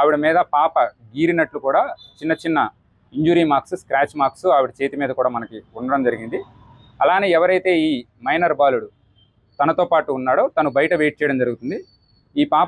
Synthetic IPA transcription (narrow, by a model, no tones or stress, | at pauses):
aːʋiɽɐmiːd̪ɐpaːpɐɡiːɾinɐʈlukuːɽaːt͡ʃinːɐt͡ʃinːɐ | iɲd͡ʒuːɾiːmaːɾksuskɾaːt͡ʃmaːɾksuaːʋiɽɐt͡ʃeːt̪imiːd̪ɐkuːɽaːmɐnɐkiuɳɖɐɽɐmd͡ʒɐɾiɡind̪i | ɐlaːneːɛʋɐɾɐjt̪e̞ːiːmɐjnɐɾbaːluɽu | t̪ɐnɐt̪o̞ːpaːʈuːnːaːɽo̞ːt̪ɐnubɐjɐʈɐʋeːʈ̚t͡ʃɛːjɽɐmd͡ʒɐɾuɡut̪und̪i | iːpaː